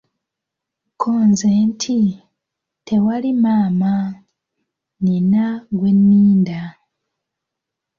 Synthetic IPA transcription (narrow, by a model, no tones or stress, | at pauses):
kʰoːnzentʰi | tʰe̞walimaːma | ninaɡwe̞nːiːnda